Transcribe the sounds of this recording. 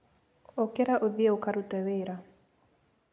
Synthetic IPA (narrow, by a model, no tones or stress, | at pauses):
okɛɾaʔoðiɛokaɾutɛβeɾa